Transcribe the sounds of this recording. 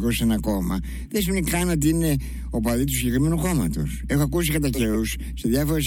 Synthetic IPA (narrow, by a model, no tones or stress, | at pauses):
kosenɐko̞mɐ | ðesimenikɐnot̪̬iine | opɐðit̪usiɲɟe̞kɾime̞nuxo̞mɐt̪o̞̰se̞xoɐkus̬ikɐt̪ɐceɾus | seðʝɐfoɾes